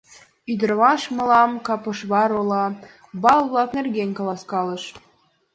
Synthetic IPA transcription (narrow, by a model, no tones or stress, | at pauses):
yd̪ə̆rmɑʃmɤ̆lɑmkɑpɤ̆ʃβɑɾolˠɑ | bɑlˠβlˠɑknerɣenʲkɑlˠɑskɑlɤ̆ʃ